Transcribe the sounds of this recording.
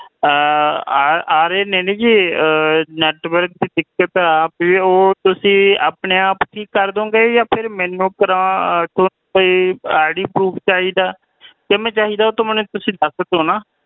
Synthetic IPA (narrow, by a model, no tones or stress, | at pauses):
aːɾeːneːnẽːd͡ʒiː | nɛːʈʋəɾk̚d̪iːd̪ɪkːət̪aːpioːt̪ʊsĩːa̰ːpneːaːpkʰiːkːəɾd̪õːɡeːjaːpʰɪɾmɛ̃ːnũːkəɾãːt̪oː | koiːaːɽiːpɾuːpʰt͡ʃaːɦiːd̪aː | k̪emɛ̃ːt͡ʃaːɦiːd̪aːoːt̪õːmɛ̃nũt̪ʊsĩːd̪əsət̪ɦoːnaː